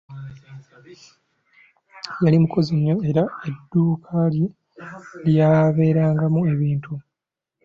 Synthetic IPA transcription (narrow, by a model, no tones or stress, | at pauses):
jalimukʰo̞ziɲːo̞e̞ɾae̞dːuːkʰali | ljaβe̞ːɾaːŋɡamue̞βiːntu